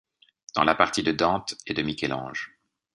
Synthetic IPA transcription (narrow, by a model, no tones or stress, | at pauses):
d̪̥ɑ̰̃lapaʁt̪id̪əd̪ɑ̃t̪ed̪əmikʲɛlɑ̰̃ːʒ